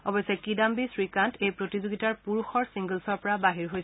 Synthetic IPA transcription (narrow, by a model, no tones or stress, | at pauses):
ɔbɔjsɛkidambisɹikantʰejpɹotizoɡitaɹpuɹuxɔɹsiŋɡəlsɔɹpɔɹabaɦiɹɦojs